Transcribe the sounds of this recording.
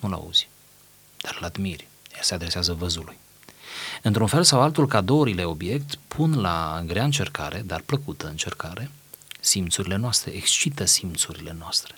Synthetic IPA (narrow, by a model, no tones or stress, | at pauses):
nula̰ṵz̥ʲ | d̪̥arlad̪mirʲ | jasead̪ɾe̞seazəvəzuluj | ɨnt̪ɾunfe̞lsawalt̪ulkad̪o̞oɾile̞o̞bje̞kt̪pʰunlaɨɡɾeaɨnt͡ʃe̞rkaɾʔe̞d̪arpləkut̪əɨnt͡ʃe̞rkaɾe̞ | simt̪suɾile̞noast̪ɾe̞̰ʔekst͡ʃit̪əsimt̪suɾile̞noast̪ɾe̞